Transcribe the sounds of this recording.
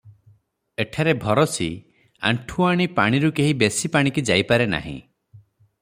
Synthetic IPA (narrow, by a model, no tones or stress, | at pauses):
eʈʰaɾebʱɔɾɔsi | a̰ɳʈʰuaɽ̃ipa̰ɽ̃iɾukeɦibesipaɽ̃ikid͡ʒajpaɾena̰ɦḭ̃